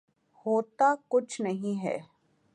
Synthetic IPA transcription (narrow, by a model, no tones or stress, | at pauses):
hoːt̪akʊt͡ʃʰnɐɦĩɦɛ̰ː